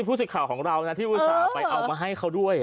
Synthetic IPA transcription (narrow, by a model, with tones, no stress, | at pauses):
pʰuː˥˩sɯ˨˩kʰːaː˨˩wkʰɔː˩˦ŋɾa˧wna˦˥t̪ʰiː˥˩ʔuː˧˥˦sɔː˨˩pa˧jʔa˧wmaː˧ɦa˥˩jkʰa˦˥wdu˥˩əj